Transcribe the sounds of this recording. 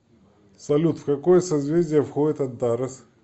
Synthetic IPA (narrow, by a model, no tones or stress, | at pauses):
sɐlʲut̪fkɐkojəsɐzvʲezʲdʲɪjəfxoɪt̪ɐd̪d̪aɾɐs